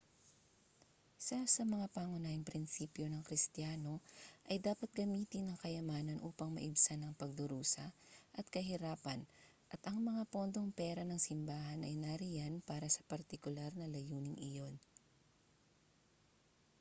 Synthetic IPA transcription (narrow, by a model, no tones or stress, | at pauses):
sɐsɐmɐŋapaːŋʊnaːhɪŋpɾɪnsiːpjo̞nɐŋkɾɪst̪jaːno̞ʔɐjd̪aːpɐt̪̚ɡɐmiːt̪ɪnːɐŋkɐjɐmaːnɐnʔuːpɐŋmɐ̰ʔɪbsanɐŋpɐɡ̚d̪ʊɾuːsɐʔɐt̪̚kɐɦɪɾaːpɐn | ʔɐt̪ʔɐŋmɐŋapo̞nd̪o̞ŋpɛːɾɐnɐŋsɪmbaːɦɐnʔɐ̰jnaɾɪjanpaːɾɐsɐ̥pɐɾt̪ɪkʊlaɾnɐlɐjuːnɪŋɪjo̞n